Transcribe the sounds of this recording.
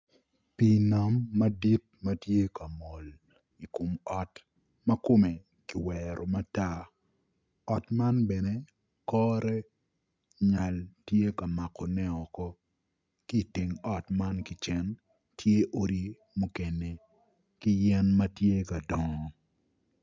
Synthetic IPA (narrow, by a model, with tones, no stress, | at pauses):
pi˨na˨mːɐ˦di˦t̚ | mɐ˦tje˦ka˨mo˨l | i˨ko˨mɔ˨t | mɐ˦ko˦me˨ | ki˨wɛɾʔo˨ma˦ta˦ | ɔ˨tma˦nbɛ˨ne˦ | kɔ˦ɾɛ˦ | ɲa˨ltje˦ka˨ma˨kɔ˨nɛ˦ɔ˨kɔ˦ | ki˦˨ti˨ŋɔ˨tma˦nkɪ˨t͡ʃɛ˨n | tʰje˦ʔo˦ɾi˦ | mu˦ke˨ne˨ | kɪ˦jɛ˦nmɐ˦tje˦ka˨dɔ˨ŋɔ˨